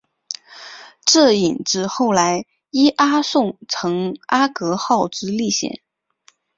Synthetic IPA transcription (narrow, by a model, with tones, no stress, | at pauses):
ʈ͡ʂɤ˥˩i˨˩nʈ͡ʂɻ̩˧˥xo˥˩ʊla˧˥ɪ | i˥ʔa˥sʊ˥˩ŋt͡sʰɤ˧˥ŋa˥kɤ˧˥xɑ˥˩ʊʈ͡ʂɻ̩˧˥li˥˩ɕjɛ̰˨˩˦n